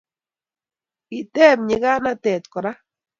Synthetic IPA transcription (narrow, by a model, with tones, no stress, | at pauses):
i˨t̪e˦˨bɲə˧˦ɡa˦na˦t̪e˨t̪ko˨ɾa˦